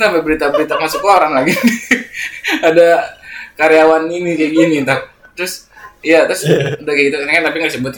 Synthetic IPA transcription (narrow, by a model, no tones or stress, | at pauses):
t̪amabəɾit̪abəɾit̪amasʊklaoɾaŋlaɡi | adakaɾeawaninikaɡinit̪a | t̪ɾʊsijat̪ɾʊsudakaɡit̪uknakant̪apiŋɡadisəbʊt̪̚